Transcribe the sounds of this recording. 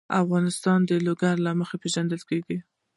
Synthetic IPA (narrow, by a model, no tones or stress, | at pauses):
afɣɑnɪst̪ɑnd̪əloɡaɾlɑməxapeʒand̪əlkeɡi